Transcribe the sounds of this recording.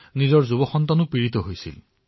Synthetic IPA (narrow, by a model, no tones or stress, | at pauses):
nizɔɹzubɔxɔnt̪anupiɹit̪ɔɦojsḭl